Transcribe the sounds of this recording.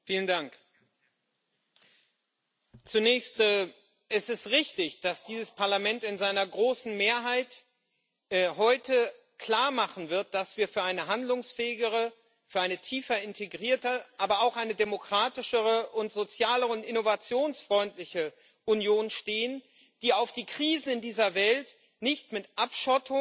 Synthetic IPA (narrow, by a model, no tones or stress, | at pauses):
fiːləndaŋk | t͡sunɛːçstː | ʔɛsɪstʁɪçtɪçd̥asd̥iːzəspʰaɐlamɛntɪnzaɪnɐɡʁoːsn̩meːɐɦaɪtː | ɦɔʏtʰə | kl̥aːɐmaχn̩vɪɐt̚d̥asv̥iːɐfyːɐʔaɪnəɦandlʊŋsfɛːɪɡəʁə | fyːɐʔaɪnətʰiːfɐɪntʰeɡʁiːɐtəʔaːbɐaʊxʔaɪnədemokʁ̥aːtɪʃəʁəʔʊntz̥ot͡sjaːləʁəʊntɪnovat͡sjoːnsfʁ̥ɔʏntlɪçə | ʔunjoːnnʃteːən | d̥iːaʊfd̥iːkʁ̥iːzn̩ɪndiːzɐvɛlt | nɪçtmɪtʔapʃɔtʰʊ